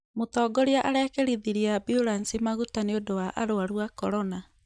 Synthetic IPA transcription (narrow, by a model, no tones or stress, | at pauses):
motɔːɡɔɾiaʔaɾɛkɛɾiðiɾiabjuɾansimaɣutaneodowaʔa̰ɾoaɾwakɔɾɔna